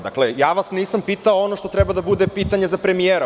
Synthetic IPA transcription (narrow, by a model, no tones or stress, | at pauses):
d̪a̰klejaːʋasniːsampiːt̪aoonoʃt̪o̞t̪ɾɛbad̪abud̪epiːt̪aɲezapɾemijeːɾ